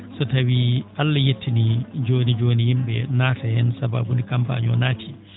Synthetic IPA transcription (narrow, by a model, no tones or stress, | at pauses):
sɔtawiʔalːajetːinid͡ʒoːnid͡ʒoːnihimɓɛ̰naːtʰahɛnsaba̰ːbunikampa̰ːɲɔ̰naːtʰi